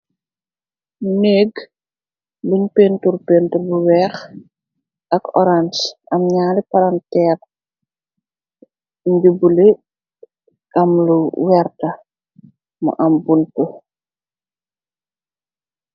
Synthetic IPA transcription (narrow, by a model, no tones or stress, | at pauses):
neːɡ | buɲpeːnturpentuɾbuwɛːx | ɐkɔɾansɐmɲaːlipaɾantɛːr | ɲd͡ʒubule | ɐmluwɛrtɐ | mṵʔɐmbuntu